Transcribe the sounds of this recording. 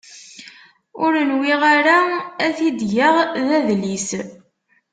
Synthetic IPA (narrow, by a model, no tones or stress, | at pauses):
ʊɾənwiʁaɾaæθid̪ʝəʁðæðlis